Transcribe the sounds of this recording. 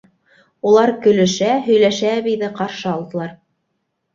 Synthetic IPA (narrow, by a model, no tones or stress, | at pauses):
ulˠɑɾkɵ̆lɘ̆ʃæɦɵ̆jlæʃæːβijðɘqɑɾʃɤɑlˠd̪ɤ̆lˠɑɾ